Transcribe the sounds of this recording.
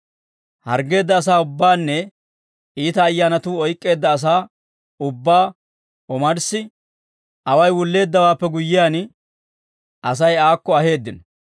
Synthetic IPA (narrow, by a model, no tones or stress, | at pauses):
hɐɾɡe̞ːd̪ːɐːs̬aːʊbːaːnːɛ | iːt̪ɐːjːaːnɐt̪uːɔjkʼːe̞ːd̪ːɐːs̬aː | ʊbːaː | ɔmɐɾsɪ | ɐwɐjwʊlːe̞ːd̪ːɐwaːpːɛɡʊjːɪjaːn | ʔɐs̬ɐjaːkːɔɐhe̞ːd̪ːɪnɐ